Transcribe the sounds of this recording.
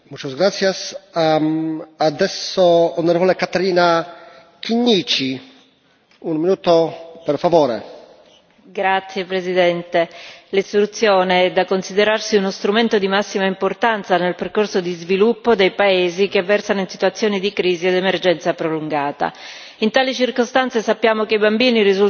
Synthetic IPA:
mut͡ʃozɡɾat̪sjasa | ad̪ɛsːoːneɾvolekat̪aɾiːna | kiɲːiːt͡ʃi | unminuːt̪opeɾfavoːɾḛ | ɡɾat̪sːjepɾezid̪ɛnt̪elist̪ɾut̪sːjoːneɛd̪ːakːonsid̪eɾarsiunost̪ɾument̪od̪imasːimaimport̪ant̪sanelperkorsod̪izvilupːod̪ejpaeːzikevːɛrsanoinsit̪uat̪sːjoːnid̪ikɾiːzied̪emerd͡ʒɛnt̪sapɾoluŋɡaːt̪a̰ | int̪aːlit͡ʃirkost̪ant̪sesapːjaːmokeibambiːniɾizul

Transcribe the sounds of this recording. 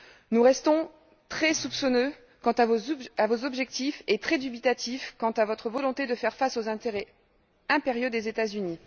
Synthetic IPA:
nuʁɛst̪ɔ̃ | t̪χɛsupsɔnø | kɑ̃t̪avoavozɔbʒɛk̚t̪ifet̪χɛd̪ybit̪at̪ifkɑ̃t̪avɔt̪χəvɔlɔ̃t̪ed̪əfɛʁfasozɛ̃t̪eʁɛ | ɛ̃peʁjod̪ezet̪azyni

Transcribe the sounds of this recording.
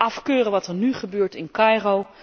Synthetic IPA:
ɑfkøːrənʋɑtəɹnyχəbøːɹtɪnkɑjrow

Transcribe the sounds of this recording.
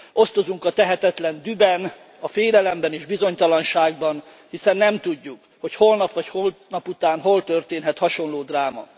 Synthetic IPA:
o̞st̪o̞zuŋkɒt̪ɛɦɛt̪ɛt̪lɛnd̪ybɛn | ɒfeːlɛlɛmbɛneːʒbizo̞ɲt̪ɒlɒnʃaːɡbɒn | hisɛnːɛmt̪uɟːuk | ho̞cho̞lnɒpʋɒcholnɒput̪aːnɦo̞lt̪ørt̪eːnɦɛt̪hɒʃo̞nloːd̪raːmɒ̰

